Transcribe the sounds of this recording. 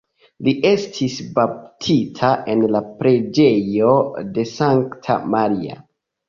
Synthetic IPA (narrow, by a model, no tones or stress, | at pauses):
liʔe̞stʰisbap̚tʰitʰaʔe̞nlapɾe̞d͡ʒe̞jo̞de̞saŋktʰa̰maɾia̰